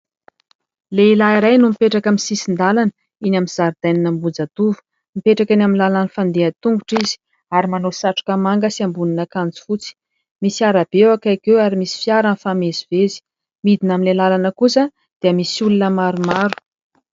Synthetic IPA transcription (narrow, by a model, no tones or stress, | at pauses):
leilaiɾajnumipeʈ͡ʂakamisisind̪alanə | inaminz̥aɾd̪ajninəmbud͡zat̪uvu̥ | mipeʈ͡ʂakinaminlalanifand̪eat̪uŋɡuʈ͡ʂizi̥ | aɾimanosaʈ͡ʂu̥kamaŋɡəsiambuninakand͡zu̥fut͡si̥ | misiaɾab̥ewakakewaɾimisi̥fiaɾənfamezivezi̥ | mid̪inaminlelalanəkusə | d̪̥iəmisiulunəmaɾumaɾu̥